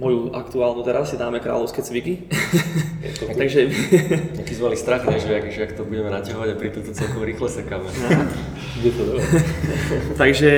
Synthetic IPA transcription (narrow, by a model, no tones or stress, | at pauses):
mɔjuʔa̰kt̪uaːlnut̪ɛɾasid̪aːmɛkɾa̰ːʎɔʊskɛt͡sʋiki | ɛ̰t̪t̪aɡʒɛɲakizmɛmalist̪ɾaxɲɛʒɛakɛʒɛakt̪ɔbuɟɛmɛnacaɦɔʋaɟapɾit̪ɔt̪ɔt͡sɛlkɔmɾiːxlɛsɛkaːmɛ | ɡɟɛt̪ɔd̪ɔ | t̪aɡʒɛ